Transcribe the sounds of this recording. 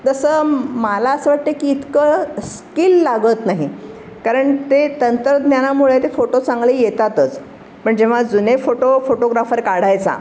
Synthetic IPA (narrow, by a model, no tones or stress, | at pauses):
t̪əsəːməlaəsəːʋaʈ̚t̪əkiːt̪kəskilːaɡət̪naɦi | kaɾəɳt̪et̪ənt̪ɾəd̪njanamuɭet̪efoʈot͡sãŋɡlijet̪at̪ət͡s | pəɳd͡ʑeʋ̤ad͡zunefoʈofoʈoɡɾafəɾkaɽ̤ajt͡sa̰